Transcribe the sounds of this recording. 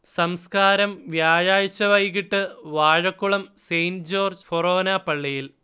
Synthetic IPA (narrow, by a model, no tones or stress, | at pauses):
sɐmskaːɾɐmʋjaːjaːjit͡ɕːɐʋɐjkiʈːɨʋaːɻɐkːuɭɐmsejnd͡ʑo̞ːrd͡ʑforoːnapɐɭːijil